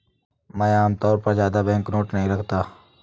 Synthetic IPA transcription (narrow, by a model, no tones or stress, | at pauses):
mɛ̃ːaːmt̪ɔːɾpɐɾzjaːd̪abɛ̃ːŋknoːʈnɐɦĩɾɐkʰt̪aː